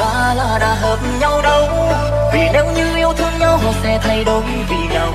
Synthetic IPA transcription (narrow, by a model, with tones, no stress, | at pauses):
vaː˨˩laː˧˩ɗa̰ː˨˧˥ɦəː˨˩t̩̚˧ɲa˧wɗə˧w | vi˨˩ne˨˦wɲɨ˧ʔi˧˥əwt̪ʰɨ˧əŋɲa˧wɦo˨˩t̚sɛ˧˩t̪ʰə˧˩jɗo˨˦˧vi˧˨˩naː˨˩w